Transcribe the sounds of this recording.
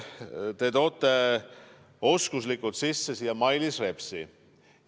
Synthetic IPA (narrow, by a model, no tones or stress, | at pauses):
t̪e̞t̪o̞ːt̪ːˑe | o̞skuslikːˑult̪sisːesiːjɑmɑjlisre̞psi